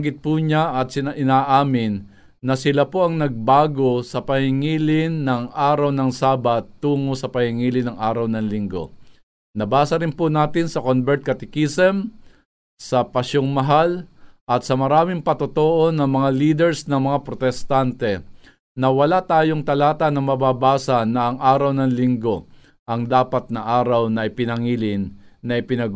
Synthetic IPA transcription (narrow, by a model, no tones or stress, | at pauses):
ɡɪt̪̚puːɲaʔɐt̪̚sɪnaʔɪnaːʔaːmɪnː | ɐsɪlapoʔɐŋnɐɡ̚baːɡo̞sɐpɐhɪŋiːlɪnːɐŋʔaːɾɐwnɐŋsaːbɐt̪ːuːŋosɐpɐhɪŋiːlɪnɐŋʔaːɾɐwnɐŋlɪŋɡo̞̰ | nɐbaːsɐɾɪnpʊnaːt̪ɪnsɐkonbɛɹt̪̚kɐt̪ɪkisɛm | sɐpɐʃoŋmɐɦalʔɐt̪sɐmɐɾaːmɪŋpɐt̪ot̪oʔonɐŋmɐŋaliːd̪ɛɹsnɐŋmɐŋapɾot̪ɛst̪ant̪ɛ | nɐwɐlat̪aːjo̞ŋt̪ɐlaːt̪ɐnɐŋmɐbaːbaːsɐnɐʔɐŋʔaːɾɐwnɐŋlɪŋɡo̞ | ʔɐŋd̪aːpɐt̪̚nɐʔaːɾɐwnɐɪpɪnɐŋiːlɪnːɐʔɪpɪnɐɡ